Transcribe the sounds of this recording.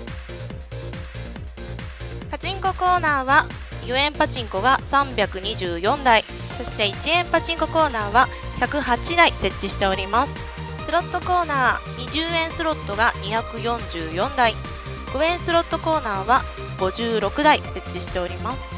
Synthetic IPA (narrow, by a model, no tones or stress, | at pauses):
pat͡ɕĩŋko̞ko̞ːnaːβa | joẽ̞mpat͡ɕĩŋko̞ɡasãmbʲakɯ̟ɲ̟iʑɨːjõ̞nd̪ai | so̞ɕi̥t̪e̞it͡ɕiẽ̞mpat͡ɕĩŋko̞ko̞ːnaːβa | çakɯ̟ɦat͡ɕid̪aise̞t͡ɕ͈ːiɕi̥t̪e̞o̞ɾʲimasɨ̥ | sɨɾo̞t̪ːo̞ko̞ːnaːɲ̟iʑɨːẽ̞ɰ̃sɨɾo̞t̪ːo̞ɡaɲiçakɯ̟jõ̞ɲ̟d͡ʑɨːjõ̞nd̪ai | ɡ̥o̞ẽ̞ɰ̃sɨɾo̞t̪ːo̞ko̞ːnaːβa | ɡ̥o̞ʑɨːɾo̞kɯ̟d̪aise̞t͡ɕːiɕi̥t̪e̞o̞ɾʲimasɨ̥